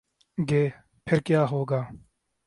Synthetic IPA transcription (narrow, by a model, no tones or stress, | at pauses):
ɡeː | pʰɪɾkjaːɦoːɡaː